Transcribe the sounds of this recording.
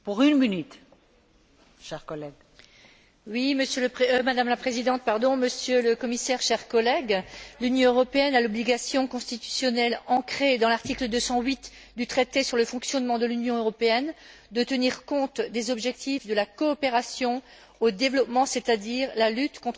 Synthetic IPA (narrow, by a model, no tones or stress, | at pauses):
puʁynminyt̪ | ʃɛʁkɔlɛɡ | wiməsjøləpemad̪amlapχezid̪ɑ̃t̪̚paʁd̪ɔ̃məsjøləkɔmisɛʁʃɛʁkɔlɛɡlynjɔ̃øʁɔpeɛnalɔbliɡasjɔ̃kɔ̃st̪it̪y̥sjɔnɛlɑ̃kχed̪ɑ̃laʁt̪ikləd̪øsɑ̃ɥit̪ | d̪yt̪χet̪esyʁləfɔ̃ksjɔnmɑ̃d̪əlynjɔ̃øʁɔpeɛn | d̪ət̪əniʁkɔ̃t̪d̪ezɔbʒɛk̚t̪ifd̪əlakɔːpeʁasjɔ̃ | od̪evlɔpmɑ̃set̪ad̪iʁlalyt̪kɔ̃t̪